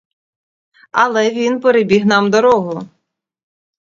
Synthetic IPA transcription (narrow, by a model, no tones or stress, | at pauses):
ɐlˠɛʋʲinpeɾebʲiɣnɑmd̪ɔɾɔɦʊ